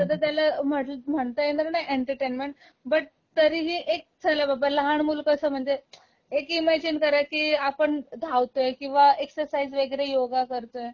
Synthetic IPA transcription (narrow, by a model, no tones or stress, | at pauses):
səd̪ʱət̪̬jalam̤əʈlm̤əɳt̪əjend̪əɾnaʔeɳʈəɾʈenmeɳʈ | bəʈ̚ | t̪əɾiːɦiːʔek̚d͡zalabʱabalɦaɳmulkəsəːm̤əɳd͡ze | ekimæd͡ʑinkəɾakiːapəɳd̪ʱaʋt̪ojekĩw̃ʋaeksəɾsaid͡zʋəɡɾejoɡakəɾt̪oe